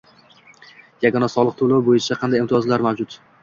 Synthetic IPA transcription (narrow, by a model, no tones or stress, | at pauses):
jaɡɒnasɒlˠɨqt̪ʰolˠowbojɪt͡ʃʰaqʰɑnd̪ajimt̪ʰɪjɒzlaɾmawd͡ʒʊt̪